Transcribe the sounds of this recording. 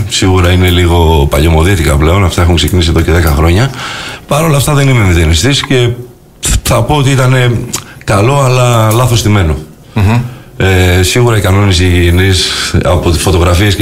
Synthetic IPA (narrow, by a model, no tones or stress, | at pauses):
siɣuɾɐine̞liɣo̞pɐ̰ʎo̞mo̞ðit̪ikɐple̞o̞nɐft̪ɐe̞xuŋkse̞cinisieðo̞ce̞ðekɐxɾo̞ɲɐpɐɾo̞lɐft̪ɐðe̞nime̞miðenist̪isce̞ | θɐpoot̪iit̪ɐne̞kɐlo̞ɐlɐlɐθo̞st̪ime̞no̞ | esiɣuɾɐikɐno̞nisiʝinisɐ̰po̞t̪isfo̞t̪o̞ɣɾɐfies